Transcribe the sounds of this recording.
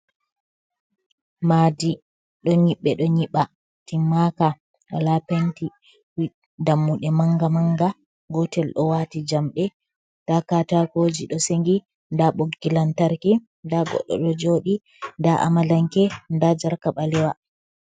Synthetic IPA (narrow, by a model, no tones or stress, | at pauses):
madi | ɗɔɲiɓːɛɗɔɲiɓa | timːaka | ɗalapenti | wi | damːuɗɛmaŋɡamaŋɡa | ɡɔtɛlɗɔwatid͡ʒamɗɛ | takatakod͡ʒiɗɔseŋɡi | ndaɓoɡːilantaɾki | ndaɡɔ̰ɗːɔ̰ɗɔd͡ʒoːɗi | ndaʔa̰malaŋkɛndad͡ʒaɾkaɓalɛwa